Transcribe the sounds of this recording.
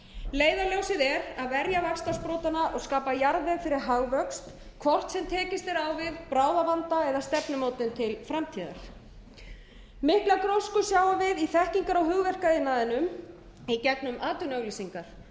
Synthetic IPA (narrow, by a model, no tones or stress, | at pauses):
leːjðaljowsɪðɛɾaðvɛɾjavakst̪aspɾoːt̪anaʔɔɣskaːpajaɾðɛfɪɾɪɾ̥ɦaɣvœkst̪ | kʰvɔr̥t̪sɛmt̪ʰɛːcɪst̪ɛɾawvɪðpɾaːwðavant̪aɛðast̪ɛpnʏmoːwt̪ɪnt̪ʰɪlfɾamt̪ʰiːða̰ɾ̥ | mɪhklakɾowskʏsjaːwavɪðiθɛhciŋkaɾawɦʏɣvɛr̥kaðɪnaːðɪnʏm | icɛknʏmʔaːt̪ʏnœɣlisiŋkaɾ̥